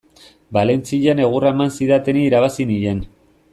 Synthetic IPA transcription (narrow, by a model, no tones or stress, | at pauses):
bale̞nt͡siʎane̞ɣ̞uraemansiðat̪eniːɾaβasiniʎe̞n